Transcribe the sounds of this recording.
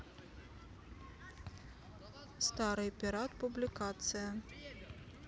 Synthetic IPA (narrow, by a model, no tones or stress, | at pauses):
st̪aɾɨjpʲiɾat̪publʲikat̪sɨjɐ